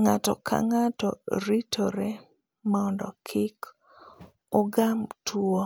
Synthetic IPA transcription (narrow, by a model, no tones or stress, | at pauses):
ŋatɔ̰kʰa̰ŋatɔ̰ɾitʰoɾe | maɔndɔkʰɪk | ɔɡamtʰuo